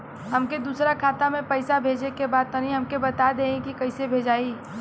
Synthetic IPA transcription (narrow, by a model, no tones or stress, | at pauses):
ɦɐmked̪uːsɾakʰaːt̪amẽpɐɪsabʱeːd͡ʒekebaːd̪̚t̪ɐnĩɦɐmkebɐt̪ad̪eːẽkikɐɪsebʱeːd͡ʒaːi